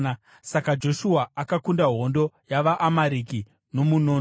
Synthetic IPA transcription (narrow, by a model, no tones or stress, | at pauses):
sakad͡ʒo̞ʃuaːkakundaɦo̞ndo̞jaʋaʔːmaɾiki | no̞munoːn